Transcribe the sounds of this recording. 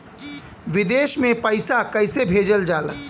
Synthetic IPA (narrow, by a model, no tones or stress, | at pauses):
ʋɪd̪eːʃmẽpəɪsakəɪsebʱeːd͡ʒəld͡ʒaːlə